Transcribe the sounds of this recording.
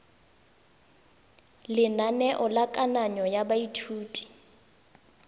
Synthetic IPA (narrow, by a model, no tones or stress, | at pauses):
lɪnanɛʔɔlakʼanaɲɔjabaitʰuːtʼi̥